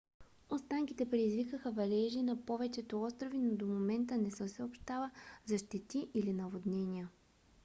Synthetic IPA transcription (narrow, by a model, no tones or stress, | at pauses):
ost̪aŋkit̪ɛpɾɛd̪izvikəxəvɐlɛʒinɐpɔvɛt͡ʃɛt̪oɔst̪ɾovinod̪omomɛnt̪ənɛsəsɛopʃt̪avəzɐʃt̪ɛt̪iʔilinɐvod̪nɛniə